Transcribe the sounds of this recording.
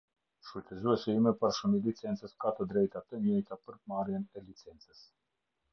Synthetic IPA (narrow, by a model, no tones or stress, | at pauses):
ʃujt̪ɛzuɛsɛimɛpaɾʃunilit͡sɛnt͡səskat̪əd̪ɾɛjt̪at̪əɲɛjt̪apəɾpmaɾjɛnɛlit͡sɛnt͡səs